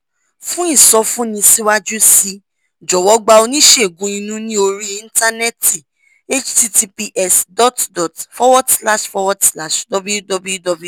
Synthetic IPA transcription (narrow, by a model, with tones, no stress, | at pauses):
fũ˦ĩ˦˨sɔ˧˦fũ˦nĩ˧si˦wa˦d͡ʒu˦si˧˦ | d͡ʒɔ˨wɔ˨˧˦ɡ͡ba˧o˧nĩ˦ʃe˦˨ɡũ˨˦ĩ˧nũ˦nĩ˦o˧ɾi˦ĩ˧n̩˦ta˦nɛ˦ti˨ | e˦t͡ʃti˦ti˧pi˧ʔɛ˦sdɔ˦tdɔ˨tfɔ˦wɔ˦dsla˦ʃfɔ˧wɔ˦dsla˦˨ʃdɔ˨bu˦ju˦dɔ˧bu˦ju˦dɔ˧bu˦˨